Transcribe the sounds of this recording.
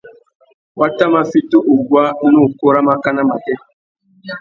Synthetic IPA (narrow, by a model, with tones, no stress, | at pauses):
wa˦ta˦ma˦fi˦to˦ʔo˨ɡwa˦nũ˦˨ko˦ɾa˦ma˦ka˦na˦ma̰˨kɛ˦